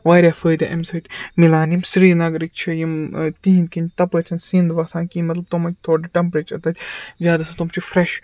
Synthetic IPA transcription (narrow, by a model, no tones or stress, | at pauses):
ʋaːɾʲafəːd̪ɐʔɐmʲsɐːt̪ʲmilaːnimsɾiːnɐɡɾik̚ʲt͡ʃʰɐjimt̪ĩɦĩnkinʲt̪ɐpət͡ʃʲʰɐnsĩnd̪ʋɐsãːnkimɐt̪lɐb̚t̪omɐkʲt̪ʰoːɖɐʈɐmpɾet͡ʃɐt̪ɐt̪ʲzʲjaːd̪ɐsɐt̪umt͡ʃʰifɾeʃ